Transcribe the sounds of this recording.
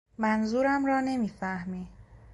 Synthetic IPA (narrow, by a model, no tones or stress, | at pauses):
mænzuːɾæmɾɒːne̞miːfæhmi